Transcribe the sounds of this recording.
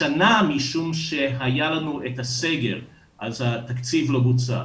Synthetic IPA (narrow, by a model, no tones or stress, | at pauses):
anamiʃumʃe̞ɦajalanuet̪hase̞ɡe̞̰ʁ | ʔazhat̪akt͡sivlobut͡sa̰